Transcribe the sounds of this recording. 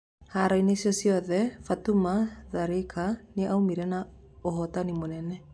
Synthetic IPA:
haɾɔinesjɔsiɔðɛfatumaðaɾekʰaneʔaumiɾɛna | oɦɔtanimonɛnɛ

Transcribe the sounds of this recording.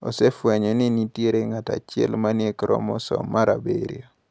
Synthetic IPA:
ɔ̰sɛfwɛɲɔnɪnitjeɾeŋata̰t͡ʃɪɛ̰lmanjekɾʔɔ̰mɔsɔ̰mːaɾa̰bḛɾḭo

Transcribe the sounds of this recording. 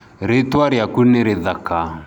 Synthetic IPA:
ɾetwaɾjakuneɾeðaka

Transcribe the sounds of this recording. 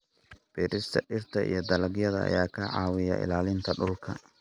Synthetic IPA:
b̥iːɾɪst̪ʰɐʔɪrt̪ʰɐʔḭjɞd̪ɐlɐɡjɐðɐɐ̰jaːkʰɐʕɑ̰ːwɪjɐ̰ʔɪ̰laːlɪnt̪ʰɐɖʊlkʰɐ̰

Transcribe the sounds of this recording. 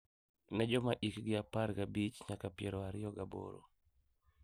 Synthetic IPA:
nɛd͡ʒɔmaʔikɡɪapaɾɡabit͡ʃɲakapɪɛɾɔaɾɪɔɡabo̰ɾo̰

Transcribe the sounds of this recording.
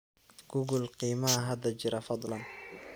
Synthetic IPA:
ɡ̥ʊɡʊlqiːmɐɐɦɐd̪ɐt͡ʃɪɾɐfɑd̪ˤlɑn

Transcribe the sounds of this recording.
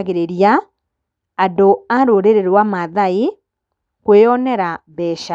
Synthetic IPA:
ɣeɾeɾija | adoaɾoɾeɾeɾwamaðai | kweɔnɛɾabɛʃa

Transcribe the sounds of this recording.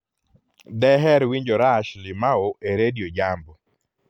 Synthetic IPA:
dɛɦɛɾwiɲd͡ʒoɾaʃlɪmaoʔeɾediod͡ʒambɔ

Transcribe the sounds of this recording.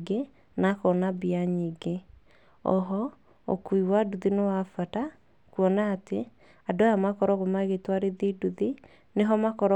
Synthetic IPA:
ɡe | nakɔnabiaɲiɡe | ɔ̰ɦɔ | o̰kuiwaduðinewafata | kuɔnaːte | adajamakɔɾɔɣomaɣetwaɾeðiduði | neɦɔmakɔɾɔ

